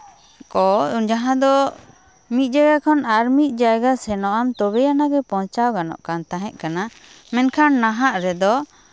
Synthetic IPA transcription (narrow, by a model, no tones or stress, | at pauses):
kɔund͡ʒaɦãd̪ɔ | mit̪̚ˀd͡ʒajɡakʰɔnaɾmit̪̚ˀd͡ʒajɡasɛnɔʔamt̪ɔbɛjanaɡɛpɔ̃t͡ʃawɡanɔ̰ʔkant̪ãɦɛ̃ʔ̪̚kana | mɛnkʰanːaɦaʔɾɛd̪ɔ